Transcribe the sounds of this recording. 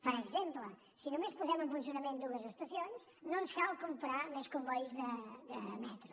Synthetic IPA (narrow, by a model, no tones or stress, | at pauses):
pəɾəɡzemplə | sinumespuzɛmuŋfunsijunɐmẽnd̪uəzəst̪ɐsions | nõnskalˠkumpɾamɛskumbɔjzðəðəmɛt̪ɾu